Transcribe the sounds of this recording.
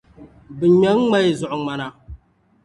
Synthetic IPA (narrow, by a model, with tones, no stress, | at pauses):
bɨ˨ɲa˦ŋ˦ŋ͡ma˦jzʊ˨ʔʊ˨ŋ͡ma˨na˨